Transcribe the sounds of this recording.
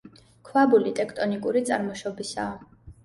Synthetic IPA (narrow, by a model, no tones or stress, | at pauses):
kʰwabulit̪ʼɛkʰt̪ʼɔnikʼuɾit̪sʼaɾmɔʃɔbisaː